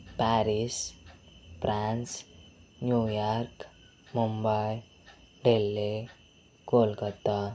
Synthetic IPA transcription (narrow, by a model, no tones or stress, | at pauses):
paɾis | pransnjujark | mumbaj | ɖelːe | kolkʌt̪ːa